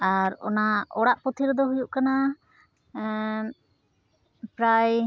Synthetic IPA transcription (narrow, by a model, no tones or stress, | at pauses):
aɾɔ̰naɔɽaʔpɔt̪ʰiɾd̪ɔɦujuʔkana | pɾaj